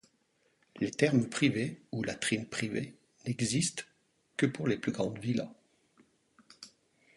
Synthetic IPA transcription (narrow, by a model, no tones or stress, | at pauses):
let̪ɛʁmpχiveulat̪χinpχivḛ | nɛɡzist̪ | kəpuʁleplyɡʁɑ̃d̪vila̰